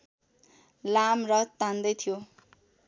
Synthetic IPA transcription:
lamrʌt̪ãnd̪ʌjt̪ʰijo

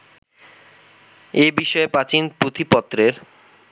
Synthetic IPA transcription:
ebiʃɔepat͡ɕinpɾot̪ʰipɔt̪ːɾeɾ

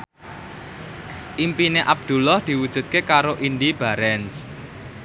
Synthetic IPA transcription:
ʔimpineʔab̚d̪̥ṳlɔhd̪̥i̤wud̥ʒ̥ṳt̪̚kekaɾoʔind̪ib̥a̤ɾɛns

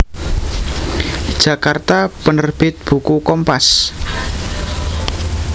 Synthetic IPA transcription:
d̥ʒ̥ä̤kart̪apənərb̥ɪt̪̚b̥ṳkukɔmpas

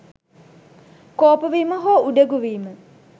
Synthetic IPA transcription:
koːpəʋiːməɦoːuɖəɡuʋiːmə

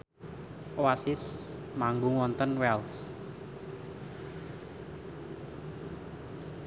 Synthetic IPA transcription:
wasɪsmaŋɡuŋɔnt̪ənwɛlt̪s

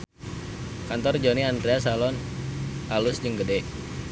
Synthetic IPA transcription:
kant̪ɔrd͡ʒoniandɾeasalɔn | alusd͡ʒəŋɡədɛ

